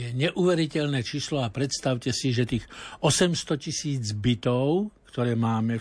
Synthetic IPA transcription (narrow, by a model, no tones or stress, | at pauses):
jɛɲɛʔuʋɛɾicɛʎnɛːt͡ʃiːslɔapɾɛt̪st̪aʊcɛsiʒɛt̪iːxɔsɛmst̪ɔcisiːd͡zbit̪ɔʊkt̪ɔɾɛːmaːmɛ